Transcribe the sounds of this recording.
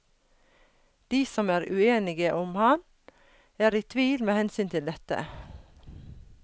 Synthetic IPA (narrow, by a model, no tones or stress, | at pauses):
d̪̥iːsɔmæːɾʉeːnɪɡəʔʊmhɑn | æːɾiːt̪ʰʋiːlmeːhɛnsyːnt̪ʰɪld̪ɛt̪ə̰